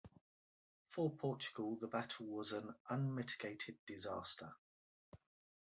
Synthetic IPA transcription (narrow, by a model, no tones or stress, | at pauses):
fəpʰɔˑt͡ʃə̥ɡ̥əlˠðəbatʰəl̩ˠwɒzə̃nʔə̃nmɪtɪ̥ɡ̥eɪtʰɪdɪzɑ̰ˑstʰə̰